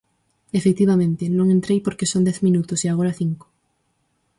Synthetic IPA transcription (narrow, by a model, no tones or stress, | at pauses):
efek̚t̪iβamẽnt̪enõŋẽnt̪ɾejpoɾkesond̪ɛθmĩnut̪ʊsiaɣ̞oɾaθiŋko̥